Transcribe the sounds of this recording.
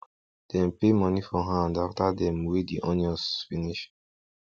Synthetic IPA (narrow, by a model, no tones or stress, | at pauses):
d̥ɛ̃mpemɔnifɔɦãndaftadɛ̃mwediʔɔ̃nɔsfiniʃ